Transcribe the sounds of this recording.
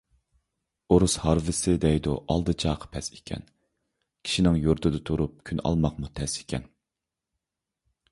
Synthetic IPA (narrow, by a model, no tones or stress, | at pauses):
oɾushɑɾvɪsɪd̪ɛjd̪uʔɑlˠd̪ɨt͡ʃʰɑːqʰə̥pʰɛse̥kʲʰɛ̰n | kʲʰi̥ʃinɪŋjuɾt̪ʰɨd̪ɨt̪ʰuɾup̚kʲʰynɑ̰lˠmɑqmut̪ʰɛse̥kʲʰɛ̰n